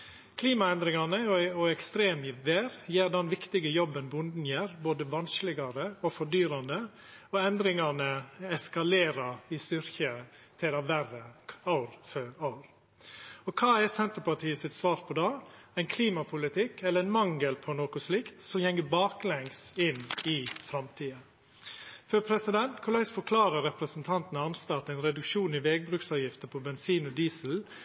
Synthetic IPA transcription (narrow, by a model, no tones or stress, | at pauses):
kʰliːmɑɛnd̪ɾɪŋɑnəɔɔɛkst̪ɾeːmɪʋeːɾjeːɾd̪ɛnʋɪkt̪ɪɡəjɔbːənbʊnd̪n̩jeːɾboːd̪əʋɑnsklɪɡɑɾəɔfɔɖyːɾɑnd̪ə | ɔɛnd̪ɾɪŋɑnəɛskɑleːɾɑɪst̪ʏɾçə | t̪ʰɪlɑʋærəɑʊɾføɾɑʊɾ | ɔkʰɑːɛsɛnt̪əɾpɑʈʰiːəsɪt̪sʋɑːɾpʰɔd̪ɑːæɪnkʰliːmɑpʰʊlɪt̪ʰɪkːɛlːəɾɛɪnmɑŋɡəlpʰɔnoːkʊsliːkt̪sɔmjɛŋːəbɑːklɛŋsɪnɪfɾɑmt̪ʰiːə | fœpʰɾɛsɪd̪ɛnt̪kʰʊlæɪsfɔkʰlɑːɾəɾɛpɾəsnt̪ʰɑnt̪nəɑnst̪ɑt̪æɪnɾɛd̪ʉkʃuːnɪʋeːɡ̚bɾʉːksɑːʋjɪft̪əpʰɔbɛnsiːnɔd̪iːsl̩